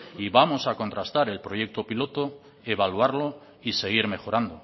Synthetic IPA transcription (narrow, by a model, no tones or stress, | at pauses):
iβamo̞sako̞nt̪ɾast̪aɾe̞lpɾo̞je̞k̚t̪opilo̞t̪o | e̞βaluaɾlo̞ | ise̞ɣ̞iɾme̞xo̞ɾand̪o̞